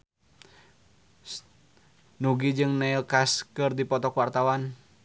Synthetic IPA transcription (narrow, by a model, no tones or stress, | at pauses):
nuɡid͡ʒɨŋnailkaskɨrdipɔt̪ɔkuwart̪awan